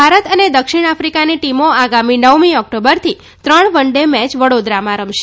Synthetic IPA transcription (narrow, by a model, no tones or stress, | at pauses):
bʱaɾət̪əned̪əkʃiɽ̃afɾikaniʈimoaɡaminəʋmiɔk̚ʈobəɾt̪ʰi | t̪ɾəɳʋəɳɖemɛt͡ʃʋəɽod̪ɾamãɾəmʃe̥